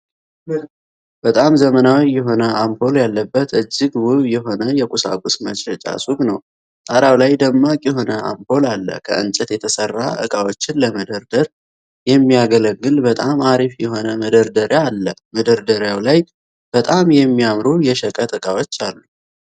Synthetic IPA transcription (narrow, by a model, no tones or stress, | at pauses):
b̥ət̪ʼamzəmənawiːɛɦo̞nəʔampo̞ljalːəbːət̪ʔɨd͡ʒːɪɡwʊβjɛɦo̞nəjɛkʼusa̰kʼusmət͡ʃɾət͡ʃʼa̰suɡnəw | t̪ʼaɾawlajd̪əmːakʼjɛɦo̞nəa̰mpo̞lalːə̰kʰə̰ʔɨ̰nt͡ʃʼət̪jɛt̪ʰəsərːaʔɨ̰kʼawot͡ʃːɪnləməd̪əɾd̪əɾ | jɛmːijaɡələɡːɨlbət̪ʼamaɾifjɛɦo̞nəməd̪əɾd̪əɾjaːlːəməd̪əɾd̪əɾjawlaj | b̥ət̪ʼamjɛmːiamɾujɛʃəkʼət̪ʼɨkʼawo̞t͡ʃːalːu